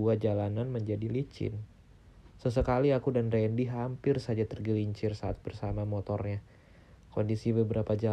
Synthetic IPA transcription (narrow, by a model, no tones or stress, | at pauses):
uad͡ʒalananməɲd͡ʒadilit͡ʃɪ̰n | səs̬əkaliakudandandiɦampɪrsad͡ʒat̪ərɡəliɲt͡ʃɪrsaːt̪̚b̥ərsamamot̪ɔrɲa | kondisibəbəɾapad͡ʒa